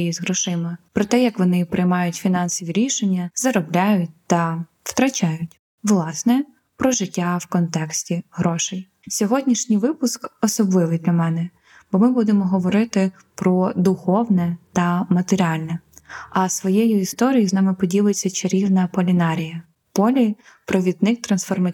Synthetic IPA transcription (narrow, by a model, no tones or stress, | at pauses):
jizɦɾɔʃɪmɪpɾɔt̪ɛjɐkʋɔnɪpɾɪjmɑjʊtʲfʲinɑnsɔʋʲiɾʲiʃenʲːɐzɐɾɔblʲajʊt̚ʲt̪ɐ | wt̪ɾɐt͡ʃajʊtʲ | ʋlˠɑsnɛ | pɾɔʒɪtʲːawkɔnt̪ɛksʲtʲiɦɾɔʃɪj | sʲɔɦɔdʲnʲiʃnʲijʋɪpʊskɔsɔblˠɪʋɪjd̪lʲɐmɛnɛ | b̥ɔmɪbud̪emɔɦɔʋɔɾɪt̪ɪ | pɾɔd̪ʊxɔwnɛt̪ɐmɐt̪eɾʲɑlʲnɛɐsʋɔjejʊist̪ɔɾʲijiznɑmɪpɔdʲilˠet͡sʲːɐt͡ʃɐɾʲiwnɐpɔlʲinɑɾʲijɐ | pɔlʲi | pɾɔʋʲid̪̚nɪk̚t̪ɾɐnsfɔrmɐ